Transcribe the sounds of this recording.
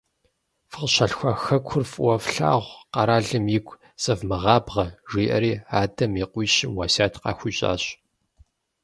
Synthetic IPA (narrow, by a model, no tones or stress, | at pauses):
fəqɕɐɬxʷɐxɐkʷʰʊrfʼwɔfɬa̰ːʁʷqɑɾaːɮɨmjɪɡʷʰʼ | sɐvmɨʁɑːbʁɐʒiːʔɐ̰ɾiːaːdɐmiqʷiːɕɪwaːsaːtʰqɑ̰ːxʷʊɕʼa̰ːɕ